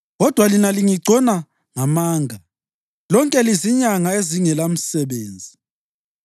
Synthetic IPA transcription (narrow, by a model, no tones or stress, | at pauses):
ɣɔd̥ʱwalinaliŋiɡ͡ǀʱɔna | ŋamaːŋʱa | lɔŋkʼɛliziɲaŋaeziŋɛlam̩sɛɓeːnd͡zʱi